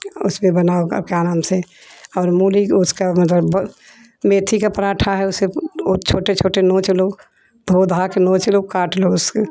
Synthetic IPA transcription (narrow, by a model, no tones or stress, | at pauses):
ʊ̰smẽbənaoə̰b̚keaːnaːmseɔːɾmuːlikʊskamɐt̪ləbb | meːt̪ʰikapɾaːʈʰaɦɛʊset͡ʃʰoːʈet͡ʃʰoːʈenõːt͡ʃlo | d̪ʱod̪ʱakenõːt͡ʃlokaːʈloʊse